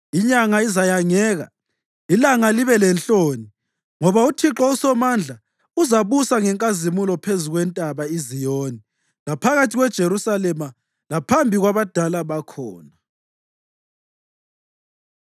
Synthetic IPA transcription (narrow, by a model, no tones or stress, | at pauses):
iɲaŋaizajaŋɛːɣa̰ | ilaŋaliβɛlɛnt͡ɬʼoːni | ŋɔβautʰiǁɔusɔmand͡ɮʱa | uzaβusaŋɛŋkʼazimulɔpʰezuɣwɛntʼaβaizijoːni | lapʰaɣatʰiɣwɛd̥ʒ̥ʱeɾusalɛma | lapʰambʱiɣwaβad̥ʱalaβakʰɔːna